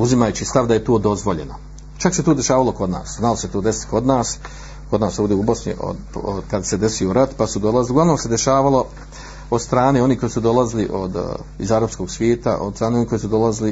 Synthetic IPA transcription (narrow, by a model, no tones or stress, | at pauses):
uzimajut͡ɕist̪aʋd̪aje̞t̪oːd̪o̞zʋo̞ʎe̞̰no | t͡ʃakse̞t̪oːd̪e̞ʃaːʋaloko̞d̪na̰ːsznalose̞t̪oːd̪e̞si̥t̪kʰo̞d̪naːs | ko̞d̪naːsoːd̪eubo̞sɲḭʔo̰d | kad̪sed̪e̞sioɾat̪pasud̪o̞lˠaziliɡlaʋnoːse̞d̪e̞ʃaːʋalˠo̞ | od̪st̪ɾaːneːo̞niːko̞jisud̪o̞laziliʔo̰d̪ḭzaɾapsko̞ːɡsʋjeːt̪a̰ʔod̪st̪ɾaːneoniːkoisud̪o̞lazili